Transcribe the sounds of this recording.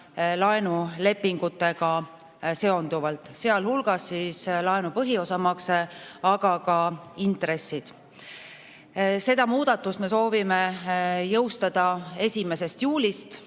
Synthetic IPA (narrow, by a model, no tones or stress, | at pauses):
lɑenule̞pːiŋɡ̥ut̪ːˑe̞ɡ̥ɑ | se̞o̞nd̪uvɑlt̪ˑse̞ɑlhulɡ̥ɑsːislɑenupɤɦio̞sɑmɑkseɑɡɑkɑint̪ɾe̞sːid̪̥ | se̞d̪ɑmuːd̪̥ɑt̪ːˑust̪me̞so̞ːvime̞jɤwst̪ɑd̪̥ɑe̞sʲime̞se̞st̪juːlʲist̪